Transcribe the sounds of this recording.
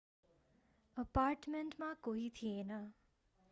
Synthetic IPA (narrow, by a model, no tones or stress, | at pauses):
əpaːɾʈmeɳʈmãkoit̪ʰiena